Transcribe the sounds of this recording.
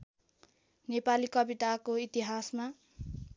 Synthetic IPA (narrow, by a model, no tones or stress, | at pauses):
nepalikʌbit̪akoit̪iɦasma